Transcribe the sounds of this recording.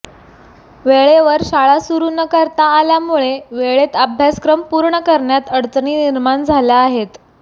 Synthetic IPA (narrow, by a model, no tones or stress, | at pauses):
ʋeɭeʋəɾɕaɭasuɾunəkəɾt̪aːljamuɭeʋeɭet̪abʱjaskɾəmpuːɾɳəkəɾɳjat̪əɽt͡sɳiːniɾmaɳd͡zʱaljaːɦet̪